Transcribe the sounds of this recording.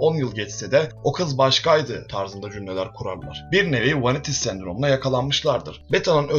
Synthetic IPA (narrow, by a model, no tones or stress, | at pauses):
o̞njɯlˠɟɛt͡ʃsed̪ɛo̞kʰɯzbaʃkajd̪ɯt̪ʰaɾzɯnd̪ad͡ʒymlʲelʲæɾkʰuɾaɾlˠa̰ɾ̥biɾnevejivanit̪ʰisːænd̪ɾo̞munajakʰalˠanmɯʃlˠaɾd̪ɯɾ̥bet̪ʰanɯnø